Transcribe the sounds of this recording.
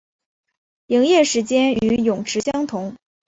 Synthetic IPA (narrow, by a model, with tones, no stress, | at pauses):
li˧˥ŋjɛ˥˩ʂɻ̩˧˥t͡ɕjɛ˥ny˧˥jʊ˨˩ŋʈ͡ʂʰɻ̩˧˥ɕjɑ˥ŋt̪ʰʊ˧˥ŋ